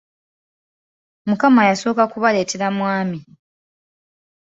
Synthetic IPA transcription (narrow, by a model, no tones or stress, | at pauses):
mukamajaso̞ːkakuβale̞ːte̞ɾamwaːmi